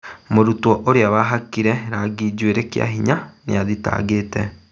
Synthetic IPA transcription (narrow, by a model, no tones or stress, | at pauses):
moɾutwɔʔoɾeaβaɦakiɾɛɾaɡid͡ʑweɾekja̰ɦiɲanḛaðita̰ːɡeːtɛ